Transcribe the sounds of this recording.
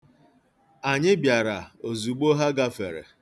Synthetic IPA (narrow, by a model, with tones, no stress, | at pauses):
a˨ɲɪ˦bja˨ɾa˨o˨zu˨ɡ͡bo˦ɦa˦ɡa˦fe˨ɾḛ˨